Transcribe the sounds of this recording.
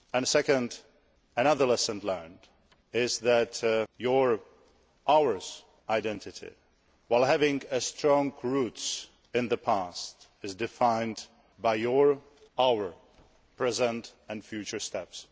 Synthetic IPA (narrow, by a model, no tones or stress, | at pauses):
ɨ̃nsɛkə̃nd | ɨñʌðə˞lɛsə̃nlɜ˞nd | ɪzðætjəɹ | ʔawə˞z̥ | ʔaɪdɛ̃ntɪtʰɪ̰ | waɪlˠɦævɪ̃ŋɨstɹɔ̃ŋɡɹuts | ɪ̃nðəpʰast | ɪzdɪfãɪ̃nd | baɪjəɹ | awə˞ | pʰɹ̥ɛzə̃ntɨ̃nfjʉt͡ʃə˞stɛps